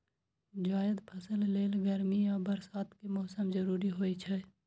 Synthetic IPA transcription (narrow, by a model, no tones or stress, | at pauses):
d͡ʒaːjəd̪pʰəsəlleːlɡəɾmijabəɾsaːt̪ʰkimɔːsəmzəɾuːɾiɦoːit͡ʃʰɛ